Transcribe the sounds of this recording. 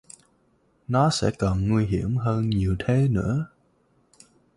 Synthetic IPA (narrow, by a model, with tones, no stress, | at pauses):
nɔ˨˦sɛ̰˧˥kə˨˩nŋwi˧ɦi˧˩əmɦəː˧nɲi˨˩əwt̪ʰe˨˦nɨ̰˧˥ə